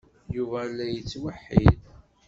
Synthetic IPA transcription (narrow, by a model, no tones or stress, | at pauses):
juvælːæjət͡sːwəħːḭd